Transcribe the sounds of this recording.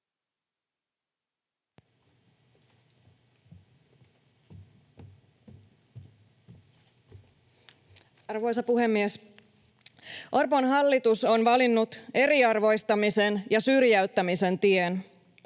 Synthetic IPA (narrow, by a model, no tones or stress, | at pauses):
ɑrʋo̞jsɑpuhe̞mːies | ʔo̞rponɦɑlːit̪uso̞nʋɑlinːut̪e̞ɾiɑrʋo̞jst̪ɑmise̞njɑsyrjæyt̪ːæmise̞nt̪ien